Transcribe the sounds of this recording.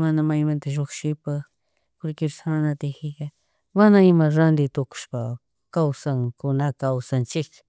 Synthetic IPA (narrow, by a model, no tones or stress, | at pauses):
manamajmãnt̪aʒokʃɪpa | pʊɾkɪɾsanat̪ehɪka | wanaɪmaɾand̪ɪt̪ʊkʊ̥ʃpa | kawsaŋkʊnakawsant͡ʃɪk